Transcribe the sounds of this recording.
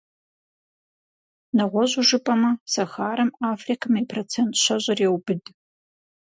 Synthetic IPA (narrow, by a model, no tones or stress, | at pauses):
nɐʁʷɔʑuʒɨpʼɐmɐsɐxaːɾɐmaːfrikʰɐmɐpʰrot͡sʰentʰɕɐʑʷɐrjeɛwbɨd